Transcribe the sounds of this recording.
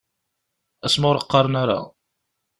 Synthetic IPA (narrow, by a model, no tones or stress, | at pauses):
æsmʊɾəqːɑɾˤnaɾa̰